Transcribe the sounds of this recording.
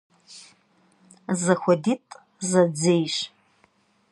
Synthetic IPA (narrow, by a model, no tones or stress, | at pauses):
zaxʷaditʼ | zad͡zejʃ